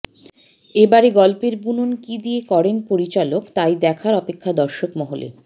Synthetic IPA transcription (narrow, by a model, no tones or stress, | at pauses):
ebaɾeɡɔlpeɾbunonkid̪iekɔɾenpoɾit͡ɕalokt̪ajd̪ɛkʰaɾɔpekʰːad̪ɔɾʃokmɔɦolḛ